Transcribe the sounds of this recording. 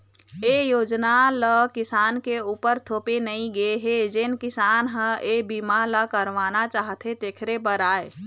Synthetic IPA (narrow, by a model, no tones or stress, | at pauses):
eːjoːd͡ʒnaləkɪsaːnkeuːpəɾt̪ʰoːpenəĩɡəeɦed͡ʒenkɪsaːnɦə̃eːbiːmaləkəɾʋaːnat͡ʃaːɦt̪ʰet̪eːkʰɾepəɾaːe